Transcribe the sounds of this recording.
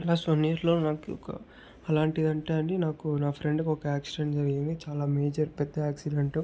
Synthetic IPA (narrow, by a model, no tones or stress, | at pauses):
ɛlaːsʋɐnːiɐɾlo̞ːnaːkṵkɐ̰ | ɐlaːɳʈid̪ɐɳʈeːɐɳɖinaːkunaːpʰɾeɳɖkɔkɐaːksiɖeɳʈd͡ʒɐɾiɡind̪it͡ʃaːlaːme̞ːd͡ʒɐɾpɛd̪ːɐaːksiɖɐɳʈu